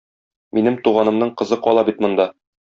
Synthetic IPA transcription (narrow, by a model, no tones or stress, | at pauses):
minɘmt̪uʁɑnɤ̆mnɤɴqɤ̆zɤqɒlˠɑbit̪mŏnd̪ɑ